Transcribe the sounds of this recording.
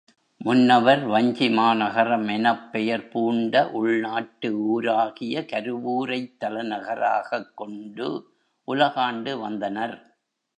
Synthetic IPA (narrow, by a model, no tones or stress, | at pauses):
mʊnːɐʋɐɾʋɐɲd͡ʒɪmaːnɐɣɐɾɐmɛnɐpːɛjɐɾpuːɳɖɐʔʊɭnaːʈːɯuːɾaːɣɪjɐkɐɾɯʋuːɾɐɪt̪ːɐlɐnɐɣɐɾa̰ːɣɐkːɔɳɖɯ | ʔʊlɐɣaːɳɖɯʋɐnd̪ɐnɐɾ